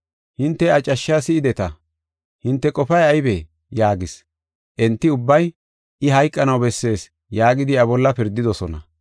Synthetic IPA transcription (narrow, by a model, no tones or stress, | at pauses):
hɪnt̪ːɛɐt͡ʃʼːɐʃːaːsɪɪd̪ɛt̪ɐ | hɪnt̪ːɛkʼɔpɐjɐjbeː | jaːɡɪs | ʔɛnt̪ːɪʊbːɐj | ʔɪɦɐjkʼːɐnɐwbɛsːe̞ːs | jaːɡɪd̪ɪɐβɔlːɐpɪɾd̪ːɪd̪ɔsɔnɐ̰